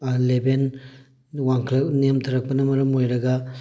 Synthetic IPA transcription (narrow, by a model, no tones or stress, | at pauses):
leben | waŋkʰɐlɐnemtʰɐɾɐk̚pɐnɐmɐɾɐmojɾɐɡɐ